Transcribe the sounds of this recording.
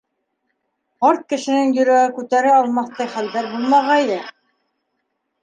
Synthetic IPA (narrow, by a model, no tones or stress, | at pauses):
ɑɾt̪̚kɘ̆ʃɘ̆nɘŋjɵ̆ɾæɡɘkʉt̪æɾɘɑlˠmɑθt̪ɑjχældæɾbulˠmɑʁɑilɘ